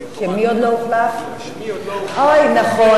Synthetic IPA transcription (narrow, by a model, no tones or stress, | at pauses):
ʃɛmiod̪louχlaf | hawajnaχo